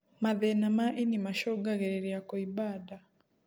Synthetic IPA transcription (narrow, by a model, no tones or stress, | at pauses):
maðɛnamaʔinimaʃɔɡaɣɛɾɛɾiakɔibada